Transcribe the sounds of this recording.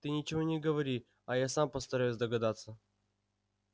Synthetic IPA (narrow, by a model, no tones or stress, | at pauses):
t̪ɨnʲɪt͡ɕɪvonʲɪɡəvɐɾʲi | ɐjasampəst̪ɐɾajʊsʲd̪əɡɐd̪at̪sːə